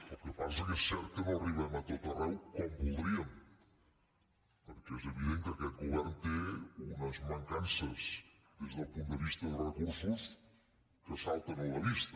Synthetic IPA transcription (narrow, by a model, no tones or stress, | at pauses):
əlˠkepasəkesːɛɾt̪̚kənoəriβəmət̪ot̪ərɛwkɔmbulˠd̪ɾiəm | pəɾkɛɛzəβiðeŋkəkɛt̪̚ɡuβ̞ɛrnt̪eunəzməŋkansəz | ðezðəlˠpund̪əβist̪əðərəkuɾsus | kəsalˠt̪ənələβist̪ə